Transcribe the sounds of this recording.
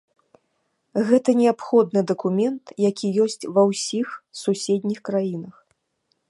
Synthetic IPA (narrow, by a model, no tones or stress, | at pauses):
ɣɛt̪ɐnʲɛapxɔd̪̚nɨd̪ɐkumʲɛnt̪jakʲijɔsʲt͡sʲvɐwsʲixsusʲed̪ʲnʲixkɾajinɐx